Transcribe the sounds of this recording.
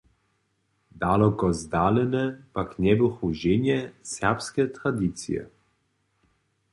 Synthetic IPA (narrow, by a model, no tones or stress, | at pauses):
d̪alɔkɔzd̪alɛnɛpaknɛbuxuʒenjɛsɛʁpskɛt̪ɾad̪it̪sḭjɛ̰